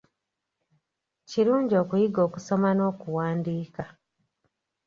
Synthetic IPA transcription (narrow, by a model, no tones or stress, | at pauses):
ciɾuːɲɟio̞ːkujiɡo̞ːkuso̞mano̞ːkuwaːndiːka